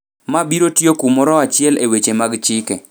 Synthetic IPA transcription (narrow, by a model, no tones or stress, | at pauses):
mabiɾotjokumɔɾɔat͡ʃɪɛlewet͡ʃemaɡt͡ʃɪkɛ